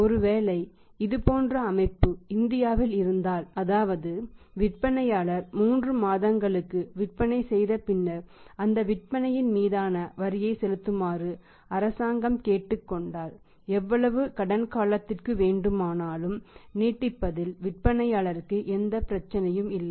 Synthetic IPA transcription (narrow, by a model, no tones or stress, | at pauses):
ɔɾɯʋeːlɐɪ | ɪðɯpoːndrɐːmɐɪpːɯɪnd̪ɪjaːʋɪlɪɾɯnd̪aːlɐðaːʋɐðɯ | ʋɪʈ̚pɐnɐjaːɭɐɾmuːndrɯmaːðɐŋɡɐɭɯkːɯʋɪʈ̚pɐnɐɪsɛjðɐpɪnːɐɐnd̪ɐʋɪʈ̚pɐnɐjɪnmiːðaːnɐʋɐɾɪjɐɪsɛlɯt̪ːɯmaːrɯ | ɐɾɐsaːŋɡɐmkeːʈːɯkːɔɳɖaːl | ɛʋːɐɭɐʋɯkɐɽɐnkaːlɐt̪ːɪrkɯʋeːɳɖɯmaːnaːlɯmniːʈːɪpːɐðɪlʋɪʈ̚pɐnɐjaːɭɐɾɯkːɯʔɛnd̪ɐpɪɾɐt͡ʃːɐnɐjɯmɪlːɐɪ